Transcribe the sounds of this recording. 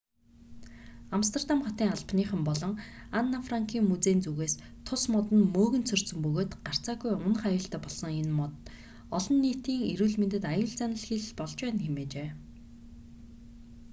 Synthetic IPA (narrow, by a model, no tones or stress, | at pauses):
amst̪ʰert̪amχɔt̪iːŋaɮpniːχə̆mpɔɮɞ̆ŋanːafraŋkʰiːŋmut͡seːnt͡suɣeːst̪ʰʊsmɔt̪ə̆nmoːɣɘ̆nt̪t͡sʰɵr̥sɵ̆mpɵɣoːt̪ɢ̥ar̥t͡saːɣujʊnə̆χajʊːɬt̪æːpɔɮsɞ̆ŋenmɔt̪ | ɔɮɞ̆nːiːt̪iːŋeɾuːɮment̪ɘ̆t̪ajʊːɮt͡sanə̆ɮxeɮpɔɮt͡ɕpæːnxemeːt͡ɕeː